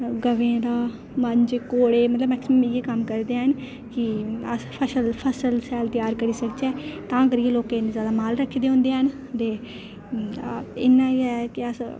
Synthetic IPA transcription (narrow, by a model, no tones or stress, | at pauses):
ɡəʋẽːd̪aː | məɲd͡ʒkoːɽeːmət̪ləbmɛːksɪməmiːeːkəmkəɾd̪eːɦən | kɪəspʰəsəlpʰəsəlsɛːlt̪jaːɾkəɾiːsək̚t͡ʃɛːt̪ãːk̬əɾieloːkẽɪ̃nd̪ezjaːd̪aːmaːlɾəkʰːd̪eːõːnd̪eːɦən | t̪eː | ɪnːãːiːɛːkɪəs